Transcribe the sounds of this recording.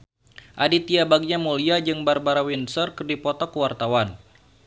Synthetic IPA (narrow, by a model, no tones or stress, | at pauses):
ʔadit̪iabaɡɲamuliad͡ʒɨŋbarbaɾawinsərkərdipɔt̪ɔkəwart̪awan